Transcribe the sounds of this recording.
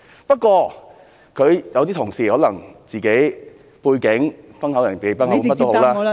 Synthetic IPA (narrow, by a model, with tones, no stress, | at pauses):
pɐ˥t̚kwɔː˧ | kʰɵ˨˧ɥjɐ˧wt̪i˥t̪ʰʊ˨˩ŋsiː˨˩hɔː˨˥lɐ˨˩ŋt͡siː˨˩ke˨˥j | puː˧jkɪ˨˥ŋfɐ˥nhɐ˨˥wjɐ˨˩npiː˨˧pɐ˥nhɐ˦˥mɐ˥t̪ːo˥who˨˥wlaː˥